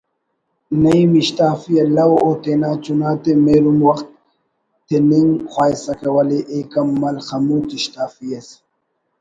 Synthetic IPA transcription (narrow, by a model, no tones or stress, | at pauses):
nɐimiɕt̪aːfijelɐwot̪enaːt͡ɕunaːt̪emeɾumwɐxt̪̚ː | eniŋxwaːjsɐkewɐleʔeːkɐmːɐlxɐmuːt̪iɕt̪aːfijes